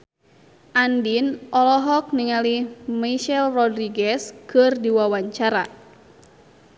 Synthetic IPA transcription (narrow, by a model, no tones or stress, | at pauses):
ʔandinʔɔlɔɦɔk̚niŋalimaʃɛlrɔdɾiɡɛskɨrdiwawaɲt͡ʃaɾa